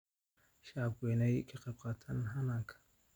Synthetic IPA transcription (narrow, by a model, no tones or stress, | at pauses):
ʃaːbɡwɛːnɛjkʰɐqɐb̚qʼaːt̪ʰɐnɦɐnaːŋkʰɐ̥